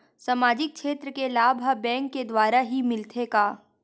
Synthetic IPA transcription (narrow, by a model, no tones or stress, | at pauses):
samaːd͡ʒɪk̚kʰʃeːt̪ɾəkelaːbʱabɛ̃ːŋkːed̪waːɾaɦimɪlt̪ʰeɡaː